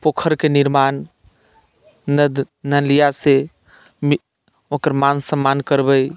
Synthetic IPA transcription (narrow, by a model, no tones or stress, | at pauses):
pokʰəɾkeniɾman | nəlijase | mi | okəɾmansəmːankəɾbəj